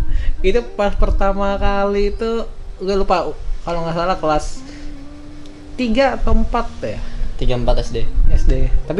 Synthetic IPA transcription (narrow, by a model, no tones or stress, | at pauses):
ɡit̪upaspərt̪amakaliːt̪uɡalupakaloŋasalakəlas | t̪iɡat̪əmpat̪̚ːɛt̪iɡaəmpat̪ɛsdeɛsdet̪api